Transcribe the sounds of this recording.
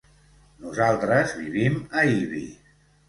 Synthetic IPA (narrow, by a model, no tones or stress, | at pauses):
nuzalˠt̪ɾəzβḭβiməiβḭ